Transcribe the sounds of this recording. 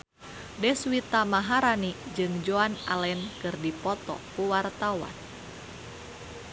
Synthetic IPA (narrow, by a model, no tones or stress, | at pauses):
dɛswit̪amaɦaɾanid͡ʒɨŋd͡ʒoanalɛnkɨrdipɔt̪ɔ̰kuwart̪awa̰n